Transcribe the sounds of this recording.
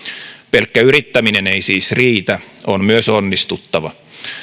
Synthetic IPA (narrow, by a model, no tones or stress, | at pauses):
pe̞lkːæyɾit̪ːæmine̞ne̞jsiːsriːt̪æonmyøsonːist̪ut̪ːɑʋɑ